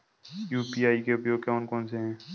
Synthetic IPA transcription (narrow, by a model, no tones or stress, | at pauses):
juːpiːaːikeʊpjoːɡ̚kaːnkɔːnseɦɛ̃ː